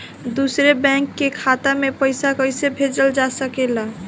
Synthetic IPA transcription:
d̪usɾebɛ̃kːekʰat̪amepəjsakəjsebʱed͡ʒəld͡ʒasəkela

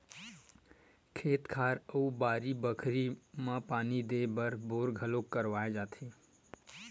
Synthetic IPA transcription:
kʰeːt̪kʰaːɾəubaːɾibəkʰɾimãpaːnid̪ebəɾboːɾɡʱəlokːəɾʋaːed͡ʒaːt̪ʰi

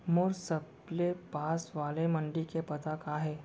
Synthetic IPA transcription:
mʊɾsəb | lepaːsʋaːlemɐ̃ɳɖikepɐt̪akaːɦɛː

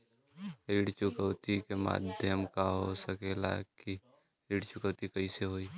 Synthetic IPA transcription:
ɾiːɽt͡ʃʊkəʊt̪ikema̰ːd̪ʱjəmkaɦosəkela̰ki | ɾiːɽt͡ʃʊkəwt̪ikəiseɦoːiː

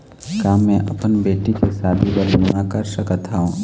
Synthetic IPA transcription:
kaːmɛ̃ʔɐpənbeːʈikesaːb̪ʱibəɾbnakɐɾʃəkət̪ʰaːɦũː

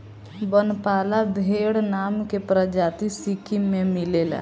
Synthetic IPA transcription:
bənpaːlab̪ʱeːɽnaːmkepɾəd͡ʒaːt̪isikʰimẽmileːla̰

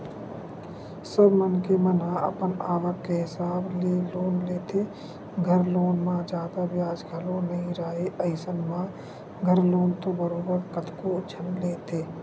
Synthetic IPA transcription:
səbmənkemənaə̰pənaːʋəkkeɦɪsaːbleloːnleːt̪ʰe | ɡʱəɾloːnmãd͡ʒaːd̪abjaːd͡ʒɡʰalonəĩɾaːeʔəɪsənmã | ɡʱəɾloːnt̪obəɾoːbəɾkət̪koʊt͡ʃʰənleːt̪eː

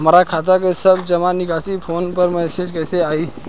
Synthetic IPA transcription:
maɾakʰaːt̪̬akesəbd͡ʒəmanɪkasipʰoːnpəɾmɛːsed͡ʒkɛːseaːi

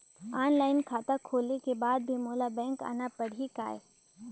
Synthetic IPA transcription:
aːnlaːɪnkʰaːt̪akʰoːlnekebaːd̪̚bʱimoːlabɛ̃ːŋka̰ːnapɐɽ̤ika̰ːḛ

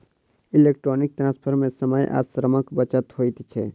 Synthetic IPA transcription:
ilek̚ʈɾonik̚ʈ̪ɾãnspʰəɾmẽsəməjʔa̰sɾəməkbət͡ʃət̪ɦojt̪t͡ʃʰɛ̰

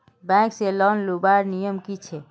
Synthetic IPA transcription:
bɛ̃kselɔnlubaɾnijəmkit͡ʃʰɛ

